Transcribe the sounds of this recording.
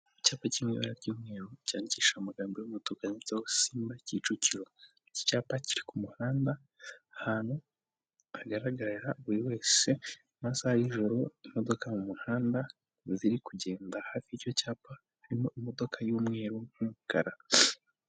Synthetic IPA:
caːpacimwḭːβa̰ɾaɾɟuːmŋe̞ːɾocaːɲiciːʃaumuɡaːmbojumotokaɲet͡seosiːmbacit͡ʃuciɾo̞ | ici̥caːpaciɾikumuhaːnda | haːnhu | aɡaɾaɡaɾɾaβuɾiwe̞ːse̞ | masahajiʒo̞ɾo̞imo̞do̞kamumuhaːnda | ziɾikuɟe̞ːndahaːfiiɾjocaːpa | haɾimo̞ʔimo̞do̞kʰajuːmŋe̞ːɾomhukaɾa

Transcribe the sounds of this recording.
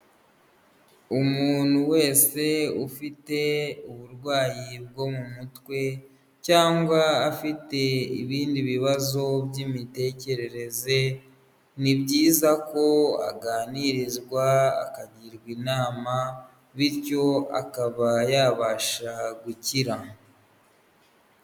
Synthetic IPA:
umuːn̥huwe̞ːse̞ufite̞uβuɾɡwaːjib̚ɡo̞mumutwe̞ | caːŋɡwaːfite̞ḭβiːndiβiβazo̞bjimite̞ːce̞ɾe̞ɾe̞ze̞ | nibɟiːzako̞a̰ɡaːniɾizɡwa̰ːkaɟiɾɡwiːnaːma | βiɾco̞a̰kaβajaːβaʃaɡuciɾa

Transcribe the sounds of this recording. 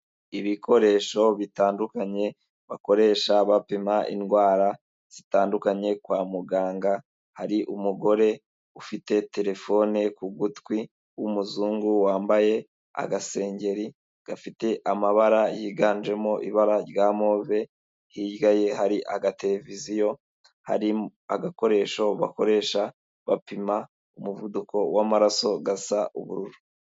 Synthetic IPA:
iβikʰo̞ɾe̞ːʃo̞βitaːndukaɲe̞ | βako̞ɾe̞ːʃaβapimaʔḭnɡwaːɾa | z̥itaːndukaɲe̞kwaːmuɡaːŋɡa | haɾiʔumuɡo̞ɾe̞ | ufite̞te̞ɾe̞fo̞nekuɡutkwi | wumuzuːŋɡuwaːmbaje̞ | a̰ɡase̞ːɲɟe̞ɾi | ɡ̥afite̞ʔamaβaɾajiːɡaːnd͡ʒe̞mo̞ʔiβaɾaɾjaːmo̞ːve̞ | hiːɟɡaje̞haɾiʔa̰ɡate̞ɾe̞vizijo̞ | ha̰ɾia̰ɡako̞ɾe̞ːʃo̞βa̰ko̞ɾe̞ːʃa | βapima | umuvuduko̞wamaɾaso̞ɡasaʔṵβṵɾuɾu

